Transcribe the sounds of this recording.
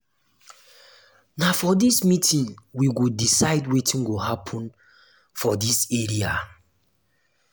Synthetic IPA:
nafɔdismitʰĩnwiɡudisaɪdwetʰĩnɡoɦapʰɔ̃n | fɔdiseɹia

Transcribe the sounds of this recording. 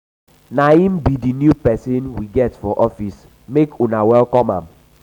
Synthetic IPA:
naĩm̩bidinjupɛsinwiɡɛtfɔʔɔfis | mekunawɛlkɔma̰m̩

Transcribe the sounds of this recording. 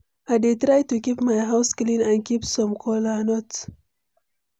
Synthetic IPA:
ajdetɾajtukipmajɦaʊsklĩnãnkipsɔ̃mkʰɔlanɔt

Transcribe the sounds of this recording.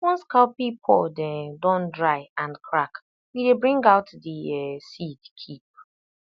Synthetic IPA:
wɔ̃nskaʊpipʰɔldɛ̃ndɔ̃ndɹaɪãnkʰɹak | widebɹĩŋɡaʊtdiɛsidkʰip̚

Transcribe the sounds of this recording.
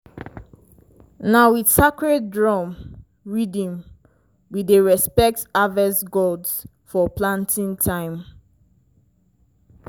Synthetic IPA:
nawisakɹɛt̚dɹɔm | ɹidĩm | wideɹɛspɛk̚tavɛsɡolds | fɔplãntʰĩntʰãɪ̃m

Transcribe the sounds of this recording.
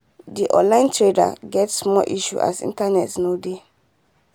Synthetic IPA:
diʔɔ̰̃nlãɪ̃ntɹeda̰ɡɛtsmɔʔiʃṵʔa̰sḭ̃ntanɛtsnode

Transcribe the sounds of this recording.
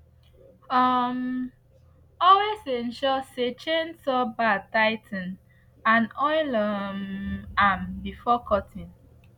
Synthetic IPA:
ɔm | ɔlwesẽnʃɔset͡ʃẽnsɔbataɪtʰn̩ | ãnɔɪlɔmambifɔkʰɔtʰĩn

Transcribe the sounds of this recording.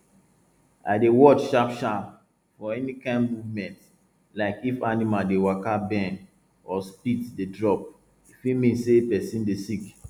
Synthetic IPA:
a̰ɪdewɔt͡ʃʃapʃap | fɔɛnikãɪ̃nmuvmɛ̃nt | laɪkifanimaldewakabɛn | ɔspiddedɹɔp̚ | ifimĩnsepɛsĩndesik

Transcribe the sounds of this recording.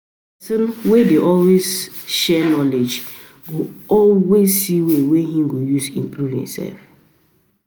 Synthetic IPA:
tuɾwedeʔɔlwezʃɛnɔled͡ʒ | ɡoɔlwezsiweweɦĩmɡojusḭ̃mpɾuvḭ̃msɛ̰lf

